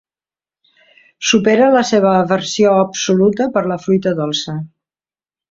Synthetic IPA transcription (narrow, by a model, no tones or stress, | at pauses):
supeɾələseβ̞əːβəɾsioəpsulut̪əpəɾləflujt̪əðolˠsə